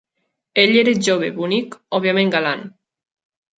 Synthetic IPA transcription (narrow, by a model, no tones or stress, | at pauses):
eʎeɾeʒoβeβunikɔβiamẽŋɡalan